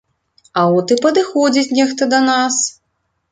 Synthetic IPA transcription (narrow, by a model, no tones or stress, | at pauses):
ɐɔt̪ɨpɐd̪ɨxɔd͡zʲit͡sʲnʲɛxt̪ɐd̪ɐnas